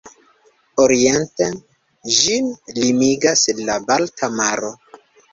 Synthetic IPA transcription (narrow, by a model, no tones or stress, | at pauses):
oɾiente | ʒinlimiɡaslabaltʰamaɾo̞